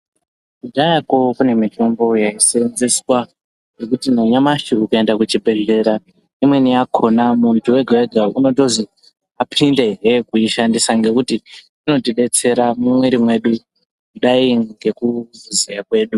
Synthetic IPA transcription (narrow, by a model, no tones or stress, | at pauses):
kudajako̞kune̞mito̞mbo̞jaisinziswa | je̞kutinaɲamaʃiːkae̞ndakut͡ʃibʱe̞ɮe̞ɾa | imwe̞niakʰo̞namuntʰuwe̞ɡʱaweɡʱauno̞to̞zi | apʰinde̞ɦekuiʃandisaŋɡe̞kuti | ino̞tiɗe̞t͡se̞ɾamumweɾimwe̞ɗu | kuɗaiŋɡe̞kuvuzejakwe̞ːɗu